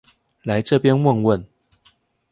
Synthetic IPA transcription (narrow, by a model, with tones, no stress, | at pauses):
la˧˦ɪʈ͡ʂɤ˥˨˩pjɛ˦nwə˥˨ŋwə˥˨n